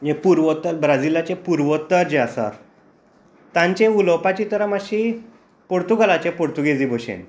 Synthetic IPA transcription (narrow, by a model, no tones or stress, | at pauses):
jẽpuɾʋət̪əɾbɾad͡zilat͡ɕepuɾʋɔt̪ːəɾd͡ʑeasa̰ɾ | t̪ãɲt͡ɕẽuləwpat͡ɕit̪əɾamaɕi | poɾt̪uɡalat͡ɕepoɾt̪uɡed͡ziboɕḛ̃n